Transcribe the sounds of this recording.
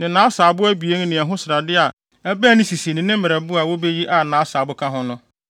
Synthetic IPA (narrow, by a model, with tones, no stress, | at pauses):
nɪ̃˨nãː˨˦saː˨bʊ˦æ˦bi˨e˦n˦nɪ̃˨ɛ˨ɦʊ̃˦sɪ˨ɾa˨dɪ˦a˨ | æ˨bæː˦˨nɪ̃˦si˨si˨nɪ̃˨nɪ̃˦m̩˦mɪ˨ɾæ˨bʊ˦a˨wo˦be˦ji˦ʔa˨nãː˨˦saː˨bʊ˦kʰã˦ɦʊ̃˦nʊ̃˦